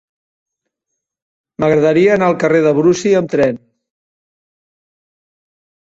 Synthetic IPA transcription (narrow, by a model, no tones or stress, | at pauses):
məɣɾəðəɾiəːnaːlˠkəreðəβɾusiəmt̪ɾɛn